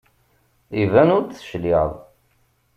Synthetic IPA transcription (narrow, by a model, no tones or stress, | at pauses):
ivænʊɾt̪θə̥ʃliðˤ